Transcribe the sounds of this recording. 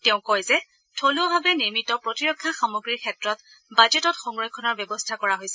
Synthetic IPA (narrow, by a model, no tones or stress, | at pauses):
teʊ̃kɔjzɛ | tʰoluabʱabɛniɹmitɔpɹotiɹɔkʰːaxamoɡɹikʰɛtɹɔt | bad͡ʒɛtɔtxɔŋɹɔjkʰːɔnɔɹbjɔbɔstʰakɔɹaɦojsɛ